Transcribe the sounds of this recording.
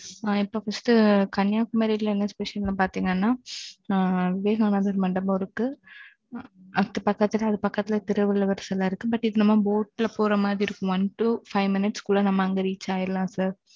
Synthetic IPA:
aɪpːoːfɐsʈɯkɐnjaːkːɯmɐːɪlɐnːɐspɛʂɐllãːpaːɾt̪iːŋɡɐnːaː | ɐʋɪʋeːɣɐːnaðɐɾmɐɳɖɐmaɔɾɯkːɯ | ɐt̪ːɐpɐkːɐt̪ːɪlɐɐðɯpɐkːɐt̪ːɪlɐt̪ɪɾɐʋɐlɐʋɐɾɐsɐlaːɪɾɯkːɯbɐʈːɪðɯnɐmːaboːʈːɪlɐpoːɾɐmaːðɾiɪɾɯkːʊ̃ʋɐnʈufɐɪʋmɪnɪʈskuɭːɐnɐmːɐŋɡɐɾiːt͡ʃːaːjɪɾɯlãːsaːɾ

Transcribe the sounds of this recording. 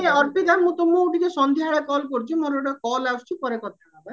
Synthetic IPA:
eɔɾpid̪aɾmũt̪ɔmːɔuʈik̪esɔnd̪ʱiɦaɭekɔlkoɾit͡ʃʰimɔɾɔɽɔkɔlawst͡ʃʰipɔɾekɔt̪̚ʰababa

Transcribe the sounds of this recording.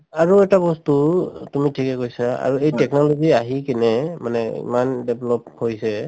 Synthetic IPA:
aɹuɛtabɔstutumitʰikɛkojsaa̰ɹuejtɛknɔlɔziaɦikɛnɛmanɛḭmandɛblɔphojsɛ

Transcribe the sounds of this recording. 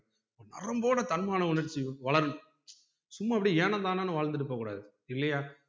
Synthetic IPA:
oːnɐ̰ɾɐmboːɽɐt̪ɐnmaːnɐʊɳɐɾt͡ʃːiʋɐɭɐɾɯ | sʊmːɐɐpːɐɽieːnɐ̃nd̪aːnaːnɯʋaːɭnd̪ɯɽɯpːɐkːuːɽa̰ːðɯ | ɪlːɐjaː

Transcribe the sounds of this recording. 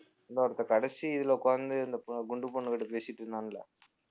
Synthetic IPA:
ɐnd̪oːɾɐt̪ːɐkɐɽɛsiɪðɯloːkɔɾɐnd̪ɯɐnd̪ɐpɡʊɳɖɯpɔɳːɯkɐʈːɯpeːsɪʈːɯɾɯnd̪aːnɪlɐ̰

